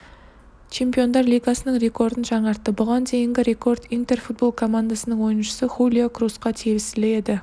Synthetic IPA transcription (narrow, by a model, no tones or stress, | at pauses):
t͡ʃʰe̞mpijo̞nd̪ɑɾlijɡɑsənəɴɾʲe̞ko̞ɾd̪ənʒɑɴɑɾt̪ːəbʊʁɑnd̪e̞jɪŋɡʲɪɾe̞ko̞ɾd̪int̪e̞rfut̪̚bo̞lˠkʰo̞mand̪asənəɴwo̞jənʃə̥səχulʲijokrusqɑt̪ʰevɪst̪ɪlee̞d̪ɪ